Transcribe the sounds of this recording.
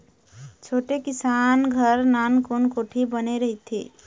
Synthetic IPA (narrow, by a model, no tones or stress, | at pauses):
t͡ʃʰoʈekisanɡʱəɾnankonkoʈʰibəneɾəɦit̪ʰḭ